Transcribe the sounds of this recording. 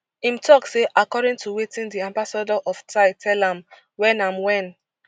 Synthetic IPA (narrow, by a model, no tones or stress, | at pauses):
ĩmtʰɔkseʔakɔdĩntʰuwetĩndiãmbasadɔʔɔftaɪtʰɛlãm | wɛ̃nãmwɛ̃n